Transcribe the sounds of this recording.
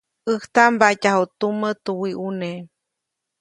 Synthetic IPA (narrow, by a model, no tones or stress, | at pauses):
əht̪ambaʔcahot̪umət̪uwiʔune